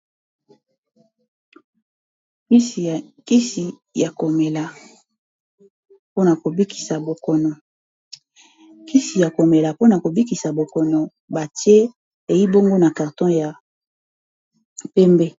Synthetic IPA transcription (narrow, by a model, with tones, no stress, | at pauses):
i˦si˨ki˦si˨ | ja˨ko˨me˨la˨ | po˦na˨ko˨bi˦kʰi̥˨sa˨bo˨kɔ˨nɔ˨ | ki˦si˨ja˨ko˨me˨la˨po˦na˨ko˨bi˦ki˨sa˨bo˨kɔ˨nɔ˨ | ba˨tje˦ | e˨ji˦bo˦ŋɡo˦na˨ka˨ʁtɔ̃˦ja˨ | pɛ˦mbe˦